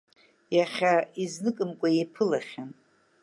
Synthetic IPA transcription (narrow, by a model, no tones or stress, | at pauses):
jaχʲaiznɨkʼɨmkʷʼajepʰɨlaχʲan